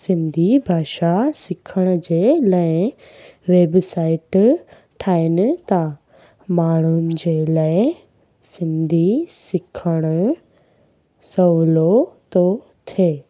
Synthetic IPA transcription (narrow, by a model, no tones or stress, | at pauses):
sɪ̃nd̪ʱibʱaːʃasɪkʰəɽ̃ʊ̆d͡ʑeːlaːɪ | ʋeːbsaːɪʈ | ʈʰaːɪnɪ̆t̪ɐ | maːɳ̤umd͡ʑelaːɪ | sɪ̃nd̪ʱisɪkʰəɽ̃ʊ | sɐʋlot̪o | t̪ʰeː